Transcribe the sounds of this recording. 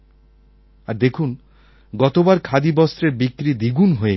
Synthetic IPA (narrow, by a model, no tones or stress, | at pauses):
aɾd̪ekʰun | ɡɔt̪obaɾkʰad̪ibɔst̪ɾeɾbikːɾid̪iɡunɦoe